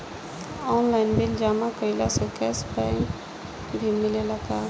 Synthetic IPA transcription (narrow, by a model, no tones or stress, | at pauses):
ɔːnlaɪnbild͡ʒaːmakəilasɔkɛːsbɛŋ | bʱimilelaka